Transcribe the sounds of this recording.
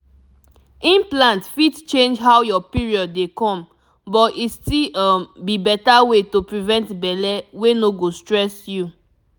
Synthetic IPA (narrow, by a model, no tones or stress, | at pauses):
ĩnplãntfitt͡ʃẽnd͡ʒɦawjɔpiɹiɔdːekɔ̃m | bɔtistilambibɛtawetopɹivɛ̃ntbɛlɛwenoɡostɹɛsju